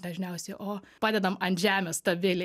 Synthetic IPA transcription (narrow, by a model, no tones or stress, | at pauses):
d̪ɐʒʲnʲɛʊsʲɛʔoːpɑːd̪ʲɛd̪ɐmɐnt̪ʲʒʲæːmʲɛst̪ɐʋʲɪlʲɪ